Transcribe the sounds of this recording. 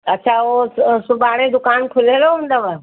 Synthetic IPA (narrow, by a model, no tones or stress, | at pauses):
ɐtːɕʰaosʊbaːɽ̃ed̪ʊkaːnkʰʊleɾoɦũːnd̪əʋa